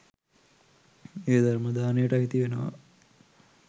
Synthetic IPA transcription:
eːd̪aɾməd̪aːnejəʈɐɦit̪iʋenəʋa̰

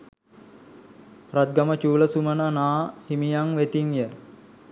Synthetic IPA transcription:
rat̪̚ɡamət͡ʃuːləsumənanaːhimijaŋʋet̪iŋjə

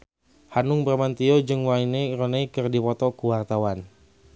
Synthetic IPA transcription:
hanʊŋbərmant̪iod͡ʒɨŋwainerɔneikɨrdipɔt̪ɔkuwart̪awan

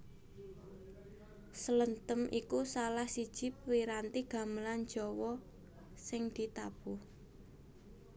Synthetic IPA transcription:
sələnt̪əmʔikusalahsid̥ʒ̥ɪ̤pwiɾant̪iɡ̥a̤mbəlan̥d͡ʒ̥ɔwɔ | sɪŋd̪̥i̤t̪ab̥ʊh

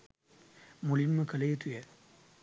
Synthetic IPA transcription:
mulimːɐkɐlɐjɐt̪ujɐ

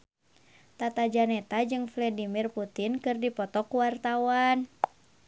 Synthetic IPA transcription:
t̪at̪ad͡ʒanɛt̪ad͡ʒɨŋflɛdimirput̪inkɨrdipɔt̪ɔkuwart̪awan

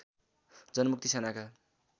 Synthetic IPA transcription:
d͡zʌnmuk̚t̪isenaka

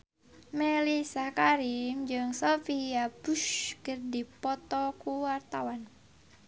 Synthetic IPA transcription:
melisakaɾimd͡ʒɨŋsofiabuʃkɨrdipɔt̪ɔkuwart̪awan

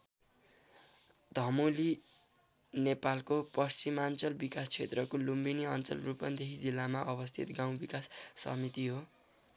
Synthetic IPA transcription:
d̪ʱʌmuli | nepalkopʌst͡simant͡sʌlbikast͡sʰet̪rʌkolumbiniʌnt͡sʌ̰lrupʌnd̪eɦid͡zilːamaʔʌbʌst̪ʰḭt̪ɡãw̃bikasːʌ̰mit̪iɦo

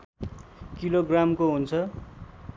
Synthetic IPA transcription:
kiloɡramkoɦunt͡sʰʌ

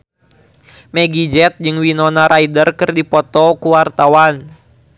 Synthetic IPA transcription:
mɛɡid͡ʒɛt̪̚d͡ʒɨŋwinɔnaɾʔaidərkɨrdipɔt̪ɔkuwart̪awan

